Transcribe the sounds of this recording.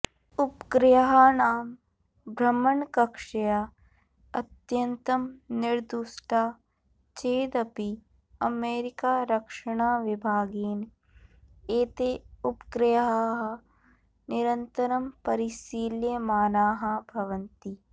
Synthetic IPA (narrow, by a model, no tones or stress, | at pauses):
ʊpkɾɪjɐɦaːnaːm | bʱɾɐmːɐɳkɐkʂɐjaː | ɐt̪jɐnt̪ɐmnɪɾd̪uʃʈʰaː | t͡ʃeːd̪ɐpi | ɐmeːɾɪkaːɾɐkʂɐɽ̃aːʋɪbʱaːɡeːn | eːt̪eʊpkɾɪjɐɦaɦɐ | nɪɾɐnt̪ɐɾɐmpɐɾiʃiːljɐmaːnaːɦabʱɐʋɐnt̪i